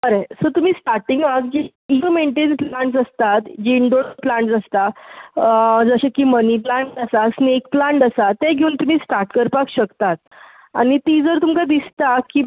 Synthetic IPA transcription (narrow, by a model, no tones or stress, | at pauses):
əɾesət̪um̤iːsʈaɾʈiŋɡakd͡ʑi | imeɳʈenplaɳʈsəst̪at̪d͡ʑiɳɖoɽplãɳʈsəst̪a | d͡zəɕekiməniplãɳʈəsasnekplãɳʈəsat̪ːɛ̃ɡʱeuːnt̪um̤iːsʈaɾʈkəɾpakɕəkt̪at̪̚ | a̰ñit̪id͡zəɾt̪umkad̪ist̪aki